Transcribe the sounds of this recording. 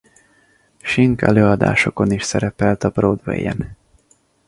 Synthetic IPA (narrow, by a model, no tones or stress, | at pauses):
ʃiŋkɛløːɒd̪a̰ːʃo̞ko̞niʃsɛɾɛpɛlt̪ɒbroːd̪vḛjɛn